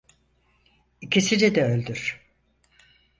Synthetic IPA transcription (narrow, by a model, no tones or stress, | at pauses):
icʰisid͡ʒɛd̪ɛølʲd̪yɾ̥